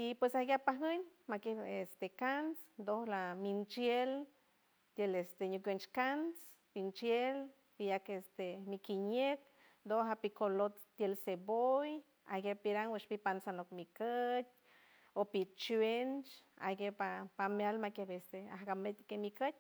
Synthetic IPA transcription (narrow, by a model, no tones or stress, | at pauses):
ipwesahɡapaɦəɲmakebest̪ekansd̪ohlamint͡ʃjel | t̪jelest̪eɲukʷent͡ʃkans | pint͡ʃjel | pijakest̪emikiɲek̚ | nd̪oɦapikolot̪t̪ːjelseboj | a̰ɡʲepiɾaŋweʃpipansanokmikət̪̚ʲ | opit͡ʃwent͡ʃa̰ɡepapamjalmakebest̪ea̰hɡamet̪kemikət̪̚ʲ